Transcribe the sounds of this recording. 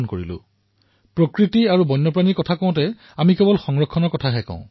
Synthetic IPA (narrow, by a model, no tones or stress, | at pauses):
nkoɹḭlʊ̰̃ | pɹokɹitiaɹubɔjnːɔpɹanikɔtʰakɔ̃ʊ̃tɛ | amikɛbɔlxɔŋɹɔkʰːɔnɔɹkɔtʰaɦɛkã̰ʊ̃